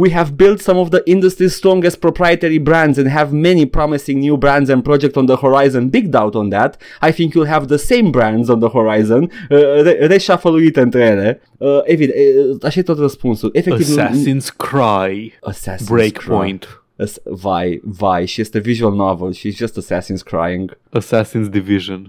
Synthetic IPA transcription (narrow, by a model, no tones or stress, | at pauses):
wiɦɛvbɪlˠt̪sʌ̃mɔvðəʔɪ̃nd̪əst̪ɹist̪ɹɔ̃ŋɡəst̚pɹopʰɹajət̪ɛɹibɹæ̃ndzɛ̃nɦɛvmɛnipɹɔmisɪ̃ŋnjubɹæ̃ndzɛ̃npɾɔd͡ʒɛk̚tɔ̃nðəhɔɹajzə̃nbɪɡ̚d̪awt̪ɔ̃nd̪æt̪ | ajθɪ̃ŋkjɪlˠɦɛvðəsẽɪ̃mbɹæ̃ndzɔ̃nðəhɔɹajzə̃nəɾeɾeʃafəluit̪ɛ̃nt̪ɾɛle | əʔɛvid̪taʃet̪otɹəspɔ̃nsəlʔɛfɛktiṽnskʰɹajəsæ̰sbɹekpɔ̃j̃nt | əsvajvajʃiztɨviʒuəlˠnɔvəlˠʃizd͡ʒʌstəsæsĩnskʰɹa̰jɪ̃ŋɡəsæsĩnsdiviʒɨ̃n